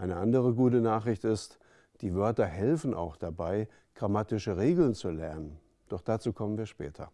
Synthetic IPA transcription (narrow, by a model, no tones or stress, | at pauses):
ʔaɪnəʔandəʁ̞əɡuːtənaːχʁ̥ɪçtɪst | d̥iːvœɐtɐhɛlfn̩ʔa̰ʊxd̥abaɪ | ɡ̥ʁamatɪʃəʁeːɡl̩nt͡sulɛɐnən | d̥ɔχd̥aːt͡suːkʰɔmənviːɐʃpɛ̰ːtʰɐ̰